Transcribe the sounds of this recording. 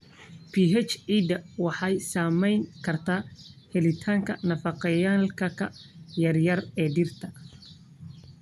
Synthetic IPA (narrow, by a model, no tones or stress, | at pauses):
pʰiɦɛt͡ʃid̪ɐwɑħɑjsaːmɛjŋkʰɐrt̪ʰaːhɛlɪt̪ʰaːŋkʰɐnɐfɑqɑjaːlkʰɐkʰɐjɐrjɐrɛːɖɪrt̪ʰɐ